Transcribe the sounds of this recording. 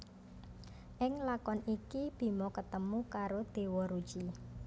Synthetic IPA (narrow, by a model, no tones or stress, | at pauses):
ʔɪŋlakɔnikib̥i̤mɔkət̪əmukaɾod̪̥e̤wɔɾud̥ʒ̥i